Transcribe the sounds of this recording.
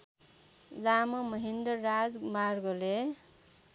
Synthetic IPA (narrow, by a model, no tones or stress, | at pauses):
lamʌmʌɦind̪ʌrad͡zmarɡole